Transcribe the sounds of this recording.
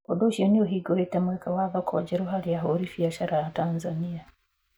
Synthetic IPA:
odoʃionioɦiɡohetamwekawavakoa̰d͡ʒeɾuɦalijaɦoɾifijaʃaɾajatanzania

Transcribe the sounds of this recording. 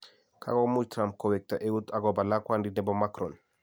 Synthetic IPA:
kʰa̰ɡɔmud͡ʒtɾamp̚kɔwɛk̚taʔewutaɡɔbalakwandinɛbɔmakɾɔn

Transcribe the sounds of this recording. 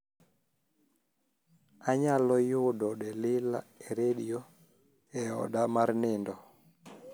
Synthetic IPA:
aɲalɔjʊdɔɗɛlɪla̰eɾedio | ɛɔ̰damarnɪndɔ

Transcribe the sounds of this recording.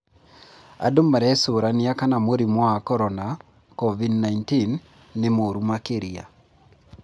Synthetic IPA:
a̰domaɾɛsoɾaniakanamoɾimɔakɔɾɔna | kɔvidnaintinː | emoɾumakeɾia̰

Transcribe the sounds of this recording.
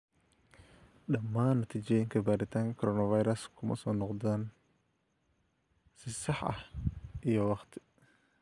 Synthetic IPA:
ɗɐmːaːnːɐt̪ʰit͡ʃɛjŋkʰɐbaːɾɪt̪ʰaːŋkʰɔɾɔnɐfajɾɐskʰʊmɐ̰sɔːnɔqd̪aːn | sɪsɑħʔɐ̰hʔijɔwɑqt̪ʰɪ̥

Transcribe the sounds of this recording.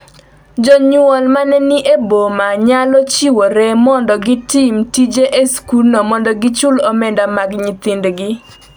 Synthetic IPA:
d͡ʒɔɲʊɔlmanɛniʔebomaɲalɔt͡ʃiwɔɾɛmɔndɔɡɪtimtid͡ʒeʔeskulnɔmɔndɔɡɪt͡ʃʊlɔmɛndamaɡɲɪt̪ɪndɡɪ

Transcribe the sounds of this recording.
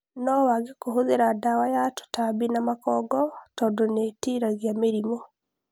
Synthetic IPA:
nɔwaɡekoɦoðeɾadawajato̥tabinamakɔːɡɔtɔːndonetiɾaɣjameɾimɔ

